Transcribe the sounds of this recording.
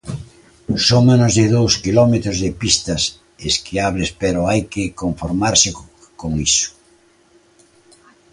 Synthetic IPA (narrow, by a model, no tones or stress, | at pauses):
soŋmenozðɪðowskilɔmet̪ɾʊzðɪpist̪ɐs | eskɪaβɾɪspeɾʊajkɪkoɱfoɾmaɾsɪ | koŋisʊ̥